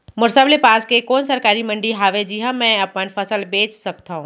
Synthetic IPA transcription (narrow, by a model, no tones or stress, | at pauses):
mʊɾsəblepaːskekɔːnsɐɾkaːɾimɐ̃ɳɖiɦaːʋed͡ʒiːɦãmɛ̃ɐpənfʰɐsəlbeːt͡ʃsɐk̚t̪aɦũː